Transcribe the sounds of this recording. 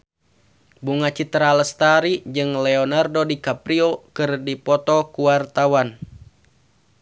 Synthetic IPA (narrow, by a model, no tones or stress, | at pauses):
buŋat͡ʃit̪ɾaləst̪aɾid͡ʒɨŋlɛɔnardodikapɾiokɨrdipɔt̪ɔkuwart̪awan